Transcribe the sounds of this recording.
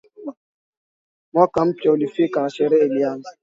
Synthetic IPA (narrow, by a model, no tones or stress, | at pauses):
mɔkam̩pjɔolifikaaʃeɾeliaŋ̩